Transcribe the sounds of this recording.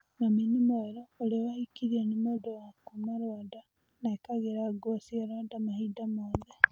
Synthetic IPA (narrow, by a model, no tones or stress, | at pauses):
naminimoeɾoːliwahikiɾienimodoakumaɾwada | naikaɣeɾaɡosiaɾwadamahidamoːðe